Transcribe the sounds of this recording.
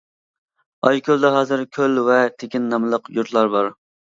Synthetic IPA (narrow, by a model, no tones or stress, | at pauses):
ɑjkʲʰølˠd̪ɛɦɑːzɨɾkʲʰølvɛt̪ʰekʲinːɑmɨlˠəqjuɾt̪lˠɑɾbɑɾ